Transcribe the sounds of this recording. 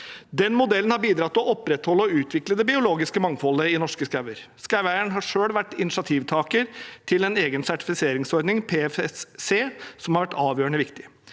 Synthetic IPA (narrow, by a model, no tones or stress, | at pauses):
d̪ɛnmʊd̪ɛlənhɑɾbiːd̪ɾɑt̪ːɔʔɔpːɾɛt̪hɔlːəɔʉːt̪ʰʋɪkləd̪ɛbɪʊloːɡɪskəmɑŋfɔlːəɪnɔʂkəskæʋəɾskæʋæɪəɳɦɑʂøːɽʋæʈːɪnɪʂɑt̪ʰiːʋt̪ʰɑːkəɾt̪ʰɪlɛneːɡənsæʈɪ̥fɪseːɾɪŋsɔɾd̪nɪŋpʰeːɛfɛsseːsɔmhɑɾʋæʈʰːɑːʋjøːɾəɳəʋɪkt̪ɪ